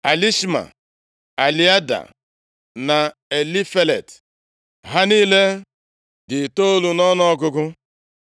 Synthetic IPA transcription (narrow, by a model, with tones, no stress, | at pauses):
a˨li˦ʃma̰˨ | a˨li˦a˦da̰˨ | na˨ | e˨li˦fe˦lḛ˨t | ɦa˦niː˦le˦ | dɪ˨to˦o˦lu˨nɔ˦nɔ˦ɡʊ˦ɡʊ˦